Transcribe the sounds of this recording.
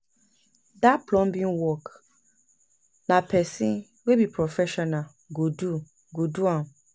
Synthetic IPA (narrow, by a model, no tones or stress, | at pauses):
dapʰlɔ̃mbĩnwɔk | nãpʰɛsĩn | webipʰɾɔfɛʃɔnã | ɡodu | ɡoduãn